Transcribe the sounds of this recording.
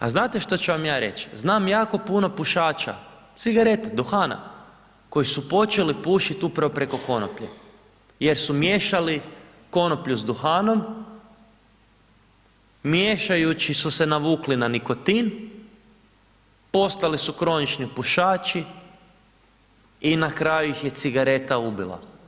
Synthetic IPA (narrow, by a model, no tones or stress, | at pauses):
a̰znaːt̪eʃt̪ot͡ɕuʋamjaːɾe̞̰t͡ʃznaːmjaːko̞puno̞puʃaːt͡ʃa̰ | t̪siɡaɾe̞t̪ed̪uxaːna̰ | ko̞jisupo̞t͡ʃe̞lipuʃit̪upɾaʋo̞pɾe̞ko̞ko̞nopʎḛ | je̞ɾsumjeʃali | ko̞nopʎuzd̪uxaːno̞m | mjeʃajut͡ʃisuse̞naʋuːklinaniko̞t̪in | po̞st̪alisukɾo̞nit͡ʃnipuʃaːt͡ʃi | inakɾajujixje̞t̪siɡaɾe̞t̪aubḭlˠa̰